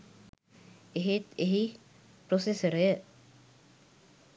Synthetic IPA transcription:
eɦet̪eɦi | pɾosesəɾəjə

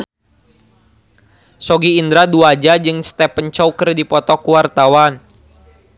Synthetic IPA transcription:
sɔɡiːnd̪ɾaduad͡ʒad͡ʒɨŋst̪ɛpəɲt͡ʃɔukərdipɔt̪ɔkuwart̪awan

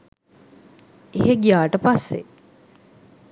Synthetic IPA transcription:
eɦeɡijaːʈəpasːḛ

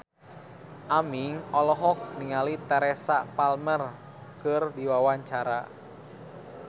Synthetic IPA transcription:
ʔamiŋɔlɔɦɔk̚niŋalit̪ɛɾɛsapalmər | kɨrdiwawaɲt͡ʃaɾa̰

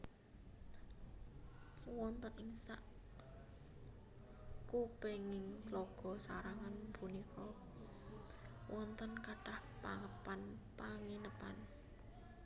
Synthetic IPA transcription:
wɔnt̪ənɪŋsaʔ | kupeŋɪŋtlɔɡ̥ɔ̤saɾaŋanbunikʰɔ | wʔɔnt̪ənkaɖ̥ahpaŋəpanpaŋinəpa̰n

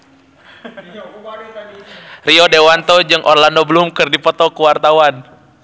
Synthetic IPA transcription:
riɔdewant̪ɔd͡ʒɨŋʔɔrlandobəlumkɨrdipɔt̪ɔkuwart̪awan

